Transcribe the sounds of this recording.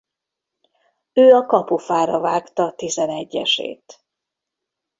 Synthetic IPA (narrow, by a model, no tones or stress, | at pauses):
øːɒkɒpufaːɾɒvaːkt̪ɒt̪izɛnɛɟːɛʃḛːt̪